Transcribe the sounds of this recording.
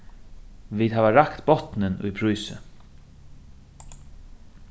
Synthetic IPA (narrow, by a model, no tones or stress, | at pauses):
viːd̪ɦæːvaɾakt̪bɔt̪nɪnʊ̰jpʰɾujsɪ̰